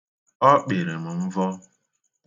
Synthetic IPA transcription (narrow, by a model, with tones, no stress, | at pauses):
ɔ˦k͡pe˨ɾe˨m̩˨m̩˦vɔ˦